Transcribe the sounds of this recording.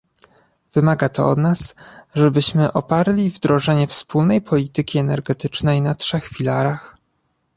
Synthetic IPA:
v̥ɘmaɡat̪ɔ̰ɔ̰d̪nasʐɛbɘɕmɘʔɔpaɾlʲivd̪ɾɔʐɛɲɛfspulnɛjpʰɔlʲit̪ɘkʲiɛnɛɾɡɛt̪ɘt͡ʂnɛjnatʂɛxfʲilaɾax

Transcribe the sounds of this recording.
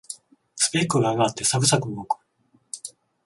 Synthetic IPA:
sɨ̥pekɯɡaɡaaːt̪ːe̞sakɯ̟sakɯ̟moːkɯ̥

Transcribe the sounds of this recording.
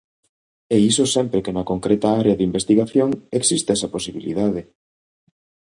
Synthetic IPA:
ɛisosɛmpɾekenɐkoŋkɾɛt̪ɐaɾeɐðimbest̪iɣaθjoŋeksist̪ɛsɐposiβilḭðaðɪ

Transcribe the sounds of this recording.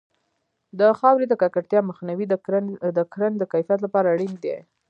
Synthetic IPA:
d̪əxɑwɾid̪əkakaʈt̪jɑməxnawid̪əkɾand̪əkajfijat̪lapɑɾaːɽind̪ḛ

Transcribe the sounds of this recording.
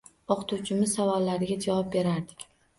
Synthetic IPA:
oqt̪ʰuwt͡ʃʰɪmɪz̥savɒlːaɾɪɡʲad͡ʒavɒp̚be̞ɾaɾd̪ɪ̥kʲ

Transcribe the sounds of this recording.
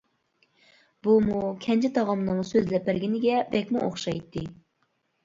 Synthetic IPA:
bumukʲʰɛnt͡ʃʰɪt̪ʰɑʁɑmnɨŋsøzlɛpːɪɾɡʲinɪɡʲɛbɛkʲmuʔo̰χʃɑjt̪ʰːɨ

